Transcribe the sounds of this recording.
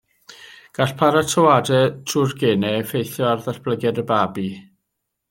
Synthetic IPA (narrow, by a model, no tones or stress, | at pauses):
ɡ̥aɬpʰaɾatʰəwadɛtʰrʊrɡɛnɛfejθjɔarðaɬb̥ləɡɛdəbaːbi